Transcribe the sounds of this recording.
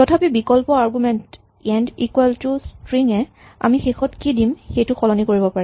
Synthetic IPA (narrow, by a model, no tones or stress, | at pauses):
tɔtʰapibikɔlpɔaɹɡumɛnt | ɛndikwɛltustɹiŋɛ | a̰mixexɔtkidimxejtʊxɔlɔnikoɹibɔpaɹɛ